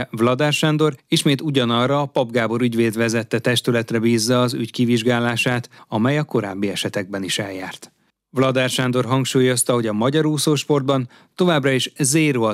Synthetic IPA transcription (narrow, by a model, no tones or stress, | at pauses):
vlɒd̪ɛrʃɛnd̪o̞ɾiʃmeːt̪uɟɒnɒrːɒːpɒbɡaːbo̞ɾyɟveːd̪ʋɛzɛt̪ːɛt̪ɛʃt̪ylɛt̪rɛbiːzːɒːzy̰ckiviʒɡaːlaːʃaːt̪ɒmɛjɒko̞ɾa̰ːbːiɛʃɛt̪ɛɡ̚bɛniʃɛlja̰ːrt̪ | vlɒd̪ɛrʃɛnd̪o̞rɦɒŋkʃuːjo̞st̪ɒɦo̞ɟɒmɒɟɒɾuːsoːʃpo̞rd̪̚bɒn | t̪o̞vaːbrɒiʃzeːɾoɒ